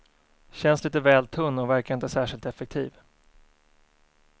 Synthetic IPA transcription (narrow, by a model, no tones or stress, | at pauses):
ɕɛnsliːt̪əvɛːlt̪ʰɵnːɔvæɾkaɾɪnt̪əsæːʂɪlt̪ɛfɛk̚t̪ʰḭːv